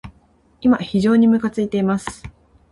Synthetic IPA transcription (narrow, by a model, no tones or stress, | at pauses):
imaçiʑo̞ːɲ̟imɯ̟kat͡sɨit̪e̞imasɨ̥